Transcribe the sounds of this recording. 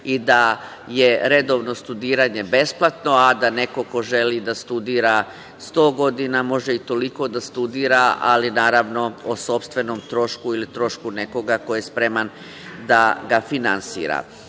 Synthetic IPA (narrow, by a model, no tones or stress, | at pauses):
id̪a | je̞ɾe̞d̪o̞ʋno̞st̪ud̪iːɾaːɲe̞be̞splˠat̪no̞ad̪ane̞ko̞ko̞ʒe̞liːd̪ast̪ud̪iːɾa | st̪o̞ːɡo̞d̪inamo̞ʒeit̪o̞liko̞d̪ast̪ud̪iːɾaa̰linaːɾaʋno̞oso̞pst̪ʋe̞no̞ːmt̪ɾo̞ʃkuilit̪ɾo̞ʃkune̞ko̞ɡakojespɾe̞man | d̪aɡafinansḭːɾa̰